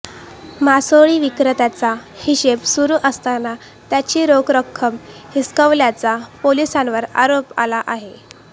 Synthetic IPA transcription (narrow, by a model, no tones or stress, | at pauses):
masoɭiːʋikɾət̪jat͡sahiɕepsuɾuːʔəst̪ana | t̪jat͡ɕiːɾoɡɾəkʰːəmhiskəʋljat͡sapolisãnʋəɾa̰ɾopa̰laʔaɦe